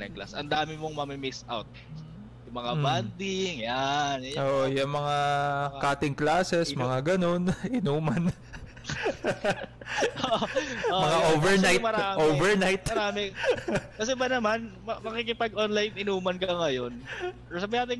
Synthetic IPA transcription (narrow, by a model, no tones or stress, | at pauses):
nɐ̰ŋkla̰sʔɐ̰nd̪aːmɪmoŋmɐmɪmɪsa̰wt̪̚ | jʊŋmɐŋaband̪ɪŋjanʔoːʔojʊŋmɐŋakaːt̪ɪŋklaːsɛsmɐŋaɡɐno̞nɪnuːmɐn | oʔmɐŋaʔoːvɛɐɹnajmɐɾaːmoːvɛɹnajt̪mɐɾaːmɛ | kɐsɛbɐnɐmanmɐmɐkikɪpaɡ̚ʔonlajnɪnuːmɐnkɐŋɐjo̞n | sɐbɐjaːt̪ɪŋ